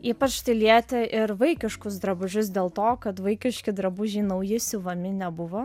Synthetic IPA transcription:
iːpɐt͡ʃt̪ɐɪlʲiɛt̪ʲɛʔɪɾʋɐɪkʲɪʃkʊs̬d̪ɾɐbʊʒʲʊs̬d̪ʲeːlˠt̪oːkɐt̪ʋɐɪkʲɪʃʲkʲɪd̪ɾɐbʊʒʲiːnɐʊjɪsʲɪʋɐmʲɪnʲɛbʊʋo

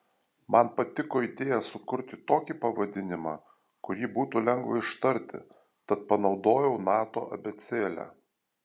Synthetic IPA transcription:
mʔɐnpɐt̪ʲɪkoːɪd̪ʲeːjɛsʊkʊɾʲt̪ʲɪt̪oːkʲipɐʋɐd̪ʲɪnʲɪmɑː | kʊɾʲiːbuːt̪uːlʲɛŋɡʋɐɪʃt̪ɐɾʲt̪ʲɪ̰ | t̪ɐt̪̚pɐnɒʊd̪oːjɛʊnɑːt̪o̰ːʔɐ̰bʲɛt̪sʲeːlʲæ̰ː

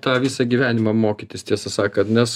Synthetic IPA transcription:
t̪ɑːʋʲiːsɑɡʲiːʋʲæːnʲɪmɑmoːkʲɪt̪ʲɪst̪ʲiɛsɐsɑːkɐt̪nʲɛs

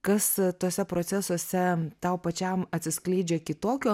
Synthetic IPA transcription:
kɐst̪oːsʲɛpɾoːt̪sʲæsoːsʲɛt̪ɐʊpɐt͡ʃʲɛmɐt̪ʲsʲɪsklʲɛɪd͡ʒʲekʲɪt̪oːkʲoː

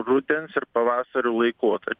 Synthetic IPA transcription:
ɾʊd̪ʲensɪɾpɐʋɑːsɐɾʲuːlˠɐɪkoːt̪ɐɾʲ

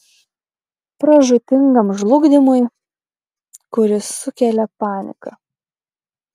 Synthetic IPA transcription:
pɾɐʒʊt̪ʲɪŋɡɐmʒlˠʊɡd̪ʲɪmʊj | kʊɾʲɪsʊkʲɛlʲɛpɑːnʲɪ̰kɐ

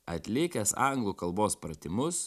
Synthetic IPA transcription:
ɐt̪ʲlʲɪkʲɛsɑŋɡlˠuːkɐlˠboːspɾɐt̪ʲɪmʊs

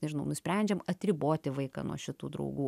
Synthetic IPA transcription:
nʲɛʒʲɪnɐʊnʊsʲpʲɾʲɛnʲd͡ʒʲɛmɐt̪ʲɾʲɪboːt̪ʲɪʋɐɪkɑ̰nṵɔʃʲɪt̪uːd̪ɾɐ̰ʊɡuː

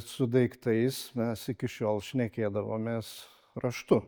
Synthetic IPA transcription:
sʊd̪ɐɪkt̪ɐɪsmʲɛsɪkʲɪʃʲoːlˠʃʲnʲɛkʲeːd̪ɐʋo̰ːmʲeːs | ɾɐʃt̪ʊ

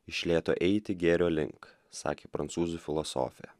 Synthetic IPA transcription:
ɪʃʲlʲeːt̪o̰ːʔɛɪt̪ʲɪɡʲeːɾʲoːlʲɪ̰ŋk | sɑ̰ːkʲeːpɾɐnt̪suːzufʲɪlˠɔso̰ːfʲɪjɛ̰

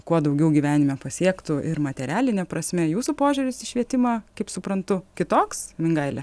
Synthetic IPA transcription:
kuɔd̪ɐʊɡʲɛʊɡʲiːʋʲæːnʲɪmʲɛpɐsʲiɛkt̪ʊʔɪ̰ɾmɐt̪ʲɛɾʲæːlʲɪnʲɛpɾɐsʲmʲɛjuːsupoːʒʲʊɾʲɪsɪʃʲʋʲiɛt̪ʲɪmɑkɐɪpsʊpɾɐnt̪ʊkʲɪt̪oːksmʲɪŋɡɐɪlʲɛ

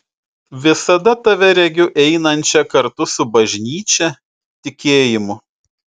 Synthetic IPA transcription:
ʋʲɪsɐd̪ɐt̪ɐʋʲɛɾʲɛɡʲʊʔɛɪnɐnʲt͡ʃʲɛkɐɾt̪ʊsʊbɐʒʲnʲiːt͡ʃʲɛ | t̪ʲɪkʲeːjɪmʊ

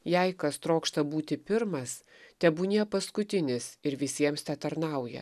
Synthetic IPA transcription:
jɛɪkɐst̪ɾoːkʃt̪ɐbuːt̪ʲɪpʲɪɾmɐs | t̪ʲɛbuːnʲiɛpɐskʊt̪ʲɪnʲɪsɪɾʋʲɪsʲiɛmsʲt̪ʲɛt̪ɐɾnɐʊjɛ̰

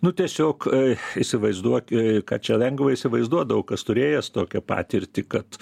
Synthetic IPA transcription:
nʊt̪ʲiɛsʲoːkisʲɪʋɐɪzd̪uɔkʲkɑ̰ːt͡ʃʲɛlʲɛŋɡʋɐɪsʲɪʋɐɪzd̪uɔd̪ɐʋokɐst̪ʊɾʲeːjɛst̪oːkʲɛpɑ̰ːt̪ʲɪrʲt̪ʲɪkɐt̪

